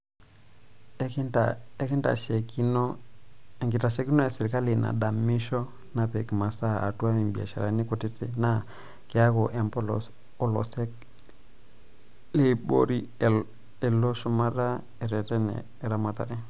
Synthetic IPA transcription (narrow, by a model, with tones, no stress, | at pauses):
aɛ˦ki˦nda̰˨ʃɛ˨ki˦nɔ | ɛ˨ŋɡi˨ta˨ʃɛ˦ki˦nɔ˦ja˨sɛ˨ɾi˨ka˦li˨na̰˨ɗa˨mi˦ʃɔ˦ | na˨pɛ˨kma˨sa˦a̰˨tu˦a˦mi˨mbi˨a̰˨ʃa˨ɾa̰˨ni˦ku˨ti˦te˦na˦ | ke˨a˦kɔ˨ʔɛ˨mpɔ˦lɔ̰s | ɔ˦lɔ̰˨sɛ˦ | le˦ɓɔ̰˦ɾi˦ | ɛ˨lɔ˦ʃɔ˦ma˦ɾa˦ | ɛ˨ɾɛ˨tɛ˦nɛ̰ː˨ɾa˦ma˨ta̰˨ɾɛ˦